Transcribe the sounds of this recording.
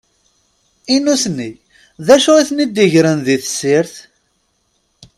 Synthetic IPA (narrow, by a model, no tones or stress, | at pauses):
inusnːi | ðæʃuʁiθnid̪iʝɾənðiθsːɪɾθ